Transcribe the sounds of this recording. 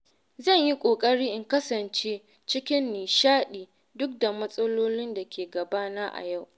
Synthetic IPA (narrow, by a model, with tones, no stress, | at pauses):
zɐ˦˨ɲji˦kʷʼoː˨kʼɐ˦ɽiː˦ʔɪ˦ŋkɐ˦sɐ˨nt͡ʃeː˦ | t͡ʃɪ˦kʲɪ˦nːiː˨ʃaː˦ɗiː˨ | dʊ˦k̚da˨mɐ˦sʼɐ˦loː˦lɪ˦nda˨kʲeː˨ɡɐ˨baː˦na˦ʔa̰˨ja˦˨w